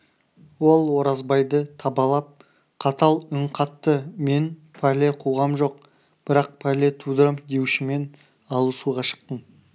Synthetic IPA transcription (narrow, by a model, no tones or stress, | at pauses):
wo̞lˠwo̞ɾɑzbɑjd̪ət̪ʰɑbɑlˠɑp̚ | qʰɑt̪ɑlˠʏɴqʰɑt̪ːəme̞npʰæle̞qʰuʁɑmʒo̞q̚ | b̥ɪɾɑq̚pʰæle̞t̪ʰud̪ɾəmd̪e̞wʃɪme̞n | ɑlˠəsuʁɑʃə̥q̚t̪əm